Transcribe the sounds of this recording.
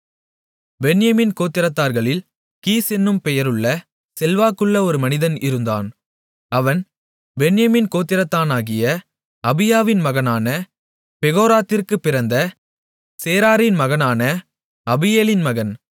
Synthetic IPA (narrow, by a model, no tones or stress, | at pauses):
bɛnɪjɐminkoːt̪ːɪɾɐt̪ːaːɾɣɐɭɪl | kiːsɛnːɯmpɛjɐɾɯɭːɐ | sɛlʋaːkɯɭːɐɔɾɯmɐnɪðɐnɪɾɯnd̪a̰ːn | ɐʋɐn | bɛnjɐmiːnkoːt̪ːɪɾɐt̪ːaːnaːɣɪjɐ | ɐbɪjaːʋɪnmɐɣɐnaːnɐ | pɛɣoːɾaːt̪ːɪrkɯpːɪɾɐnd̪ɐ | seːɾaːɾɪnmɐɣɐnaːnɐ | ɐbɪjeːlɪnmɐɣɐn